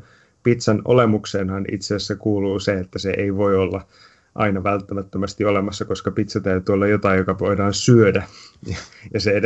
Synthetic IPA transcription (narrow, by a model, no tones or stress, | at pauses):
pit̪sæno̰lemuksenhɑnḭt̪seːsːekuːluːseet̪ːæseʔeiʋoiolːɑ | ʔɑ̰inɑʋælt̪ːæmæt̪ːømæst̪iolemɑsːɑkoskɑpit̪sæt̪æyt̪yːolːɑjot̪ɑijjokɑʋoidɑːnsyødæjɑjɑsee